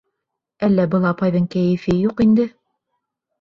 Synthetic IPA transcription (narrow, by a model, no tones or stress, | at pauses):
ælːæbɤ̆lˠɑpɑjðɤɴkæjɘ̆fɘjuqind̪ɘ